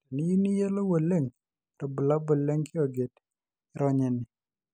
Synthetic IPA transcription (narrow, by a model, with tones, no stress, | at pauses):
nɪ˦ju˦ni˦je˦lo˦wo˨le˦˨ŋ | tɔ˨bu˨la˦bo˨le˦ŋkʰɪ˦o˨ɡe˨t | ɪ˦ɾɔ˦ɲɛ˨nɪ˨